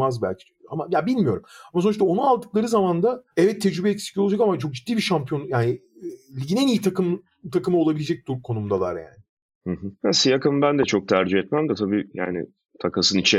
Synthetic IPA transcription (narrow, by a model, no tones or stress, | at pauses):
azbæ̰lʲcʰi̥ | amajabilʲmijo̞ɾumamasoɾʃt̪ao̞nualˠd̪ɯklˠaɾɯzamand̪aɛvɛt̪ʰːed͡ʒɾybɛɛcsi̥cʰʲiolˠad͡ʒakamat͡ʃʰo̞k̚d͡ʒit̪ːiːbiɾʃampʰijo̞njaːni | lʲiɟinɛnijit̪ʰakɯm | t̪ʰakɯmɯolˠabilʲed͡ʒɛc̚d̪uɾkʰo̞numd̪alˠa̰ɾja̰ːnɪ | hɯɦɯ̃hasijakɯmbænd̪ɛt͡ʃʰo̞k̚t̪ʰæɾd͡ʒiɛt̪mæmd̪ɛt̪ʰabiːja̰ːnɪ̰ | t̪ʰakasɯnit͡ʃʰɛ